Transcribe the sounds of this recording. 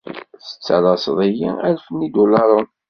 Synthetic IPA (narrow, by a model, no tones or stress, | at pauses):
θə̥t͡sːəɾˤɑsðˤijḭælfənːid̪ulɑɾˤən